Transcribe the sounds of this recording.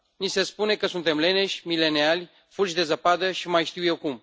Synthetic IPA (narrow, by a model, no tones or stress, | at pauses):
nise̞spune̞kəsunt̪e̞mle̞ne̞ʃʲmile̞nealʲ | fult͡ʃd̪e̞zapad̪əʃimajʃt̪iwje̞wkum